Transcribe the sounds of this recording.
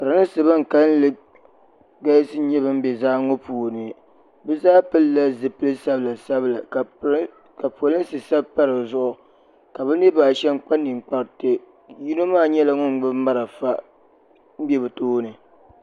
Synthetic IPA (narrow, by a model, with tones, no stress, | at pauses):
pɨ˨ɾa˨nɨ˦sɨ˨ba˦ŋ̩˨ka˦lɨ˦ | ɡa˦jsɨ˦ɲɛ˦bɨ˦m̩˦bɛ˨zaː˦ŋɔ˦puː˨nɨ˨ | bɛ˦zaː˦pɨ˦lːa˦zɨ˨pɨ˦lɨ˦sa˦bla˨sa˦bla˨ | ka˨pːlɨ˦n˦sɨ˨sa˦bpa˦ɾɨ˨zʊ˦ʔʊ˨ | ka˨bɛ˦nɪ˦baː˨ʃɛ˦m˦k͡pa˦nːi˨ŋ͡mk͡pa˨ɾtɨ˨ | ji˦no˦maː˦ɲɛ˦la˨ŋʊ˦ŋ˦ɡ͡bɨ˦ma˦ɾa˨fa˦ | bjɛ˦bɨ˨toː˦nɨ˨